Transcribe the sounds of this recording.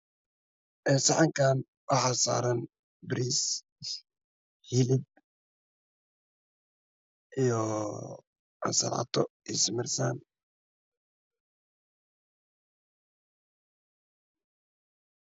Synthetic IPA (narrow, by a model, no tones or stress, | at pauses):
ʔɛːsɑʕɑŋkʰaːn | wɑħɑːsa̰ːɾɐn | bɾiːs | hilɪd̪̚ | ʔijɔ | a̰sɐ̰lʕɑ̰t̪ʰɔ̰ɪsmɪrsan